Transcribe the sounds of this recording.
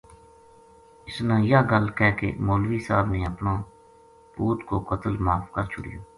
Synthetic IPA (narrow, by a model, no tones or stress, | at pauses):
ɪsnãːjaːɡəlkɛːkḛːmoːlʋiːsaːbneːəpnãː | puːt̪koːkət̪əlmaːfkəɾt͡ʃʰʊ̰ɽɪ̰joː